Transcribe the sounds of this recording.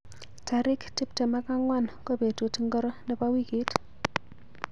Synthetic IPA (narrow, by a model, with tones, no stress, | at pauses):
ta˨ɾɪ˦kti˦p̚te˨ma˦ka˦ŋwa˦˨nko˦pe˨tu˨ti˦ŋɡɔ˦ɾɔ˦nɛ˦pa˦wi˦ki˨˦t